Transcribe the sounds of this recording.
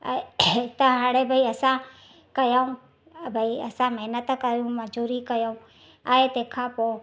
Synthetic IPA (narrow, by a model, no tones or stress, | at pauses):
t̪əɦãːɽ̃ebʱaiɐsã | kɐjaũ | bʱaiɐsãməɦnət̪kəɾjũmad͡ʒuːɾikɐjoũ | aːet̪eːkʰãpoː